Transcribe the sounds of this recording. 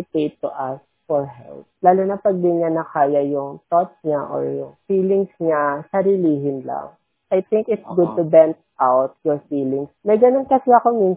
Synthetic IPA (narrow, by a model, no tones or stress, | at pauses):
ɪp̪ejt̪ːʊʔɐs | fɔɹɦɛ̰lp̚laːlonɐpɐɡ̚d̪ɪnɲanɐkaːjɐjʊŋt̪ot̪sɲaʔo̰ɹjʊŋfiːlɪŋsɲasɐɾiliːɦɪnla̰ŋ | ʔɐjt̪ɪŋkɪt̪sɡʊd̪̚t̪ʊbɛnt̪ʔawt̪̚jɔɹfiːlɪŋsmɐjɡɐnonkɐsɛɐkomin